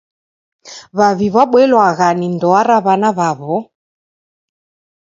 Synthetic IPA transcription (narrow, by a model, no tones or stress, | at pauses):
βaβiβaɓwɛlwaɣanindɔaɾaβanaβaβɔ